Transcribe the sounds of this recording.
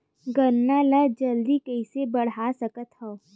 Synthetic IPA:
ɡənːaləd͡ʒɐld̪ikɐɪsebɐɽ̤aːsɐkət̪hɐo

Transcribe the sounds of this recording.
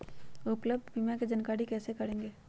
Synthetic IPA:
ʊpləb̚d̪bimjãked͡ʒɐnkaːɽikɛːsekɐɽẽːŋɡeː

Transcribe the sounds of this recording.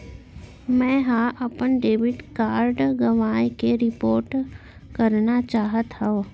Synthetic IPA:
mɛ̃ːɦaʔɐpənɖeːʋɪʈkaːɾɖɡɐʋaːjkeɾɪpoːɾʈ | kɐɾnat͡ʃaːɦət̪ɦɛo

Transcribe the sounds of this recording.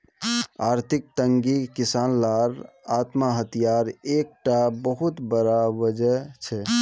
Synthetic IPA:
aɾt̪ʰik̚t̪əŋɡikisanlaɾat̪maɦət̪ijaɾek̚ʈabəɦut̪bəɾawəd͡ʒət͡ʃʰɛ

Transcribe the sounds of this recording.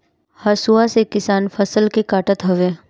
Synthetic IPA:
hɐsuasekɪsaːnfʰəsəlkekaːʈət̪ɦəʋeː

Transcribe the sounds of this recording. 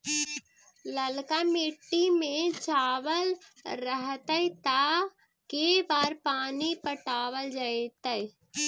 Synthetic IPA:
ləlkamɪʈːimẽt͡ʃaːʋəlɾəɦt̪əit̪a | kebaːɾpaːnipəʈaːwəld͡ʒait̪əj

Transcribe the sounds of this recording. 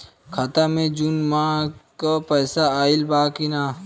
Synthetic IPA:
kʰat̪amẽd͡ʒunmãkapəːsaaːɪlbaːkinaː

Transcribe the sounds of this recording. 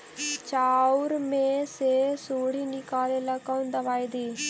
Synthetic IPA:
t͡ʃaːuɾmẽsesuːɽ̤inɪkaːlelɐkaʊ̃nd̪ɐʋaːid̪iː

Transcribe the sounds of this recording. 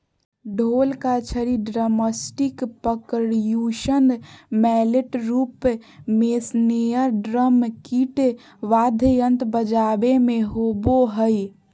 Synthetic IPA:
ɖʱolkat͡ʃʰəɾiɖɾəməsʈikpəkəɽjuʃənmɛleʈɾupmesnejəɾɖɾəmkiʈ | ʋad̪ʱjənt̪bəd͡ʒabemeɦoboɦəj

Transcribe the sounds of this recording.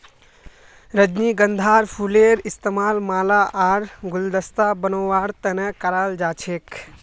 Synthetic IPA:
ɾəd͡ʒniɡənd̪ʱaɾpʰuleɾist̪emalmaːlaʔaɾɡuld̪əst̪abənoːaɽt̪ənɛkəɾald͡ʒat͡ʃʰek

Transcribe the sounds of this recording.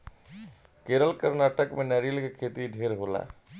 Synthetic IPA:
keːɾəlkəɾnaːʈəkmẽnɛːɾilkekʰeːt̪iɖʱeːɾɦoːla̰ː

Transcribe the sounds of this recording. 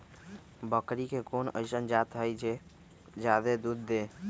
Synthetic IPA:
bəkɾikekonə̰ɪsənd͡ʒat̪ɦəjd͡ʒe | d͡ʒad̪ed̪ud̪ːe

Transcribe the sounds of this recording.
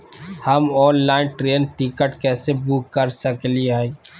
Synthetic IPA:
həmɔːnlaːɪnʈɾeːnʈikəʈkɛːsebuːkːəɾsəkliai

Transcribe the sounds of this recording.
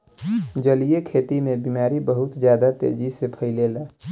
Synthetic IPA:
d͡ʒəlijekʰet̪imebimaɾibəɦut̪d͡ʒjad̪at̪ḛɾd͡ʒisepʰəɪlela

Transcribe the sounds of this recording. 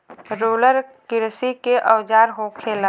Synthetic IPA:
ɾoːləɾkɪɾsikeʔəwd͡ʒaːɾɦokʰeːla

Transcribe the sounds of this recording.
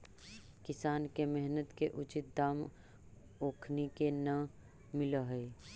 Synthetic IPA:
kɪsaːnkemɛɦnət̪keʔʊt͡ʃɪt̪̚d̪aːm | oːkʰnikenə | mɪlaɦɛː

